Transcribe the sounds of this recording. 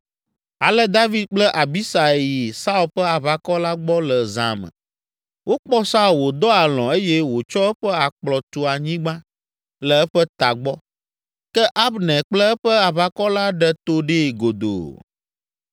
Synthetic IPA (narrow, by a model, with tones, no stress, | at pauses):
a˨lɛ˦d̪a˦vi˨d̪̚k͡plɛ˦ʔa˨bi˦sa˨ji˨sa˦u˨lɸɛ˦a˨βa˨kɔ˦la˦ɡ͡bɔ˦lɛ˨zã̰˨mə̰̃˨ | wo˦k͡pɔ˦sa˦u˨lwo˨d̪ɔ˦a˨lɔ̰̃˨e˦jɛ˦wo˨t͡ʃɔ˦ɛ˦ɸɛ˦a˨k͡plɔ˨t̪u˨a˨ɲĩ˦ɡ͡bã˦ | lɛ˨ɛ˦ɸɛ˦t̪a˨ɡ͡bɔ˦ | kɛ˦ʔa˦bnɛ̃˨k͡plɛ˦ɛ˦ɸɛ˦a˨βa˨kɔ˦la˦ɖɛ˨t̪o˦ɖe˦˨ɡo˨d̪o̰˨